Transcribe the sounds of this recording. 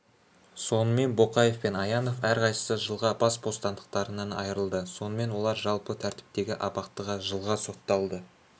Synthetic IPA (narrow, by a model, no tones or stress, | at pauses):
so̞nəme̞nbo̞qɑje̞fpe̞nɑjɑno̞fæɾqɑjsə̥səʒəlˠʁɑbɑsbo̞st̪ɑnd̪əq̚t̪ɑɾənɑnɑ̰jəɾəlˠd̪əso̞nəme̞nwo̞lˠɑɾʒɑlˠpət̪ʰæɾt̪ɪ̥p̚t̪e̞ɡʲɪʔɑpɑqt̪əʁɑʒəlˠʁɑso̞t̪ːɑlˠd̪ə